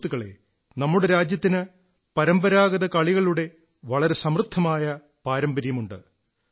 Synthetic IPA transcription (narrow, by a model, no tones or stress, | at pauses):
t̪ːuɣɐɭe̞̰ | nɐmːuɽe̞ɾaːd͡ʑjɐt̪ːinɨ | pɐɾɐmbɐɾaːɣɐðɐkɐɭiɣɐɭuɽe̞ | ʋɐɭɐɾe̞sɐmrɨt̪ʰːɐmaːjɐ | paːɾɐmbɐɾjɐmuɳɖɨ̰